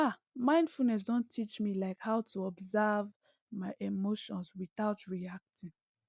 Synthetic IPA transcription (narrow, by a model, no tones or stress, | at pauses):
a | mãɪ̃ndfulnɛs̬dõntʰit͡ʃmilaɪkhaʊtʰuɔbzav | maɪʔemoʃɔ̃nswiθaʊtʰɹiak̚tĩŋ